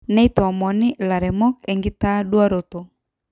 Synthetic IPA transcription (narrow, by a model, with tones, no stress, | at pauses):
nɛ˦i˦tɔ˨ɔ˨mɔ˨ni˦la˨ɾɛmɔ˦kɛŋɡi˦ta˦ɗu˦a˦ɾo˨to˨